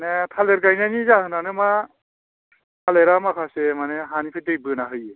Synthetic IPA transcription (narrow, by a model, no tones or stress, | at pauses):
netʰaleɾɡajnanizaɦɯnanɯma | tʰaleɾamakʰasemaneɦanipʰedɯjbɯnaɦɯjɯ